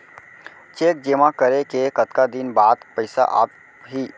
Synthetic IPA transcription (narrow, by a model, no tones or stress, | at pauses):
t͡ʃeːk̚d͡ʒeːmakəɾekekət̪kad̪ɪnbaːd̪pəɪsa̰ʔa̰ːp | ɦiː